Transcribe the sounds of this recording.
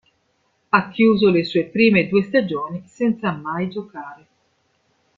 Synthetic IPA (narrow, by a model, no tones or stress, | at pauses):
akːjuːzolesuːepɾiːmed̪uːest̪ad͡ʒoːnisɛnt̪samːajd͡ʒokaːɾe